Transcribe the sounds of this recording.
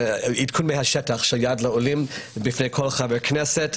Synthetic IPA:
idkʰunmehaʃɛtaχʃeljadlaolimbifnejkʰolχaveʁknɛset

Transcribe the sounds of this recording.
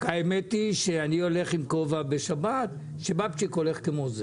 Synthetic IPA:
kaemet̪iʃeanio̞le̞χimkovabeʃabat̪ | ʃebapt͡ʃiko̞le̞χkemoze

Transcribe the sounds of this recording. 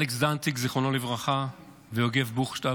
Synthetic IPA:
leksdant̪ikziχonolivʁaχa | veoɡe̞vbuχʃt̪a

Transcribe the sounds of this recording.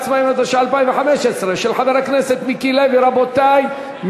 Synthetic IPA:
t͡smaimad̪aʃaalpaimveħameʃesʁeʃelħaveɾakneset̪mikileviɾabot̪aj | m

